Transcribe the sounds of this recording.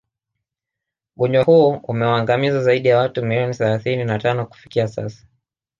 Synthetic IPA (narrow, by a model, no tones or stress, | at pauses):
ɓuɲwahuɔumɛwaːŋɡamizazaiɗijawatumiliɔniθɛlaθininatanɔku̥fi̥kiasa̰sḁ